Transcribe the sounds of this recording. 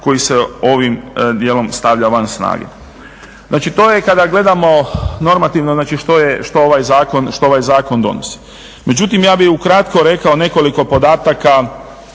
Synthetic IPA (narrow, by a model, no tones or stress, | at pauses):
ko̞jiseo̞ʋimd̪jelo̞mst̪aʋʎaʋansna̰ːɡḛ | znaːt͡ʃit̪o̞ːjekad̪aɡle̞d̪amo̞no̞ɾmat̪iʋnoznaːt͡ʃiʃt̪o̞jeʃt̪o̞oʋajzaːko̞nʃt̪o̞oʋajzaːko̞nd̪o̞̰no̰si̥ | me̞d͡ʒut̪imjaːbixukɾat̪ko̞ɾe̞kao̞ne̞ko̞liko̞po̞d̪aːt̪aka